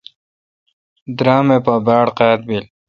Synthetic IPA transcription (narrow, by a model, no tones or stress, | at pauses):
d̪ɾɑːmepabaːɽqaːt̪̚bil